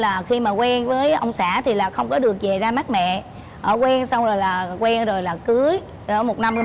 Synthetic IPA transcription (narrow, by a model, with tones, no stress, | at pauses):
laː˨˩xi˧maː˨˩kwɛ˧nvəː˨˦jʔə̰˧wŋ͡msaː˧˩t̪ʰi˨˩laː˨˩xə˧wŋ͡mkɔ˨˦ɗɨ˨˩ək̚ve˨˩zaː˧maː˦˥t̚mɛ̰˧˨ | ʔəː˧˩kwɛ˧nsa˧wŋ͡mzo˨˩jlaː˨˩kwɛ˧nzo˨˩jlaː˨˩kɨ˨˦əj | ɔ˨˧˦mo˨˩t̚na˧mː˧